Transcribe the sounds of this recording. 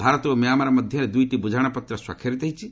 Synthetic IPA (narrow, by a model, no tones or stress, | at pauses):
bʱaɾɔt̪ɾomeamaɾɔmɔd̪ʱjɔɾed̪ujʈibud͡ʒʱaɽ̃apɔt̪ɾɔswa̰kʰjɐɾit̪aɦit͡ʃʰi